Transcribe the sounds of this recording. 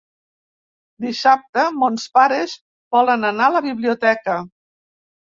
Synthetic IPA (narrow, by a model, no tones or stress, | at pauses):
d̪isap̚t̪əmonspaɾeʃ | bɔlənənaləβiβliut̪ɛkə